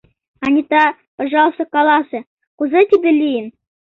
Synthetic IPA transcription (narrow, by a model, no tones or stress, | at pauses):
ɑnʲit̪ɑ | pɑ̆ʐɑlˠsɤ̆kɑlˠɑsɤ̆ | kuzɤt̪ʲibʲelʲijɘn